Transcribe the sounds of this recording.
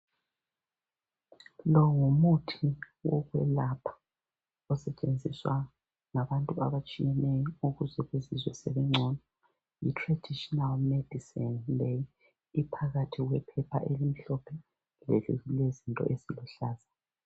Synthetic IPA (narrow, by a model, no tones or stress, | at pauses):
lɔŋumutʰi | wɔ̰ɣwɛlapʰḁ | ɔsɛt͡ʃʼend͡zʱiswa | ŋaβantʼuaβat͡ʃʼijɛnɛjɔuɣuzɛɣezizwɛseβiŋ͡ǀʱɔnɔ | jitʰrad̥ʱiʃɔnalmed̥ʱisinlɛjː | pʰaɣatʰiɣwɛpʰɛpʰa̰ʔelim̩ɬɔpʰɛ | lḛɮṵɣilezintʼɔ̰ʔesilɔɬaːza